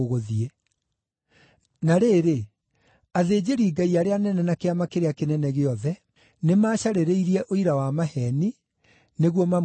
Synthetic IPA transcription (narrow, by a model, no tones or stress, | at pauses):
ɣoðiɛ | naɾeːɾe | aðeːd͡ʑeɾiːɡaiaɾeanɛnɛnakeamakeɾeakenɛnɛɣeɔðɛ | nemaːɕaɾeɾeiɾiɛʔoiɾawamahɛni | neɣwɔmam